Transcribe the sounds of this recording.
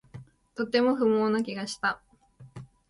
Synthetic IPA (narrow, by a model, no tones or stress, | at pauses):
t̪o̞t̪ːe̞mo̞ɸɯ̟moːnak̬ʲiɡaɕi̥t̪a